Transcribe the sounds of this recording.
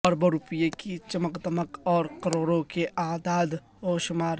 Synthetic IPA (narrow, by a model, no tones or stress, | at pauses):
ɔːɾbɐɾʊpijekit͡ʃɐməkd̪əməkɔːɾkəɾoːɾõkeʔaːd̪aːd̪ | ɦoːʃʊmaːɾ